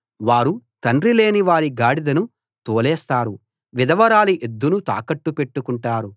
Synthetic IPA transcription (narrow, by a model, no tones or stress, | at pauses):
ʋaːɾut̪ɐɳrile̞ːniʋaːɾiɡaːɽid̪ɐnu | t̪oːlɛːst̪aːɾu | ʋid̪ɐʋɐɾaːliʔed̪ːunut̪a̰ːkɐʈːupe̞ʈːukuɳʈaːɾu